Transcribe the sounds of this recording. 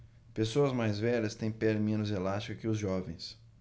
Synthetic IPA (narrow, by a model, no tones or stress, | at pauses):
pesoɐzmajzvɛʎɐst̪ẽj̃pɛlmẽnʊzelast͡ʃikʊkɪʊzʒɔvẽj̃s